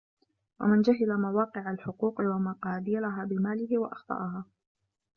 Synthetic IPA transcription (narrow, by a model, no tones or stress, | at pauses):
wa̰mɪnd͡ʒaɦɪlamawɑːqɨʕalħʊquːqɨwamaqɑːb̪alaɦaːbɪmaːlɪhɪwa̰ʔɑxt̪ˤɑ̰ʔɑhaː